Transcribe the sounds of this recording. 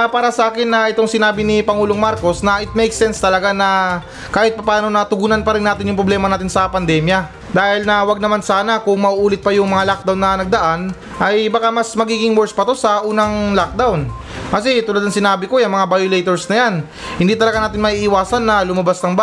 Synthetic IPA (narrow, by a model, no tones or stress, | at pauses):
paːɾɐsɐʔaːkɪnːɐʔɪt̪o̞ŋsɪnaːbɪnɪpɐŋuːloŋmaɾko̞snɐʔɪt̪̚mɛjksɛnst̪ɐlɐɡanɐ | kaːhɪt̪̚pɐpaːno̞nɐt̪ʊɡuːnɐnpɐɾɪnːaːt̪ɪnjʊŋpɾoblɛːmɐnaːt̪ɪnsɐpɐnd̪ɛːmjɐ | d̪aːhɪlnɐwɐɡ̚nɐmansaːnɐkʊŋmɐʔuʔuːlɪt̪̚pɐjʊŋmɐŋalak̚d̪awnːɐnɐɡ̚d̪ɐʔan | ʔɐjbakamɐsmɐɡiːɡɪŋwɛɹspɐt̪o̞sɐʔuːnɐŋlak̚d̪awn | kɐsɛt̪ʊlɐd̪ɐŋsɪnaːbɪko̞jɐŋmɐŋabajolejt̪oɹsnɐjan | hɪnd̪iːt̪ɐlɐɡanaːt̪ɪnmɐʔiːʔɪwaːsɐnːɐlʊmɐbasnɐŋb